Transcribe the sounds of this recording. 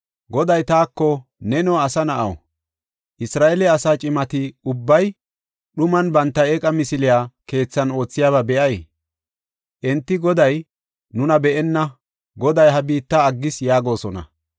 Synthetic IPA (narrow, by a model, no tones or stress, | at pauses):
ɡɔd̪ɐjt̪aːkːɔnɛnɔɐsɐnɐʔɐw̰ | ʔɪsɾaːʔɛlɛɐsaːt͡ʃʼɪmɐt̪ɪʊbːɐj | ɗʊmɐnbɐnt̪ːɐeːkʼɐmɪsɪlɪjaːke̞ːt͡sːɐno̞ːt͡sːɪjaːβɐbɛʔɐj | ʔɛnt̪ːɪɡɔd̪ɐj | nʊnɐbɛʔɛnːɐ | ɡɔd̪ɐjɦɐbiːt̪ːɐːɡːɪsjaːɡo̞ːsɔnɐ̰